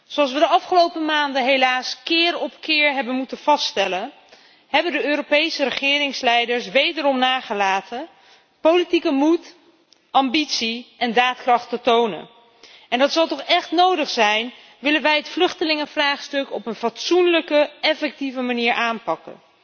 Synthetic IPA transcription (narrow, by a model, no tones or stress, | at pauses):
sowɑlˠsʋədəɑfχəlowpəmaːndəɦejlaːskɪːrɔpkɪːɹɦɛbənmutənv̥ɑsttɛlən | ɦɛbəndəøːɾopejsəɾəχɪːrɪŋslɛjdəɹsʋejdəɾɔmnaːχəlaːtə | powlitikəmut | ɑmbitsiʔɛndaːtkrɑχtətownə̰n | ɛndɑtsɑlˠtɔχɛχtnowdəχsɛjn | ʋɪlənʋɛjɦətflɵχtəlɪŋəvraːχstɵkɔpənvɑtsunləkəɛfɛk̚tivəmaniːɹʔaːnpɑkə̰n